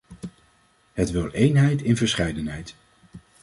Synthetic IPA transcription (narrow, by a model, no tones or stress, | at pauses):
ɦətʋɪlˠʔejnɦɛjtɪnvəɹsχɛjdənɦɛjt